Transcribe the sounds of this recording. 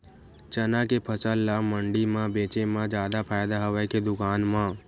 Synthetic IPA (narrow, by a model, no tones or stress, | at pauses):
t͡ʃənakepʰəsəlːaməɳɖimãbeːt͡ʃemãd͡ʒaːd̪apʰaːjd̪aɦəʋaked̪ʊkaːnmã